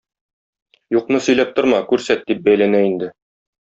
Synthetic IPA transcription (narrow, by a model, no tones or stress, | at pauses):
juqnɤsɵ̆jlæp̚t̪ŏɾmɑkʉɾsæt̪̚d̪ip̚bæjlænæind̪ɘ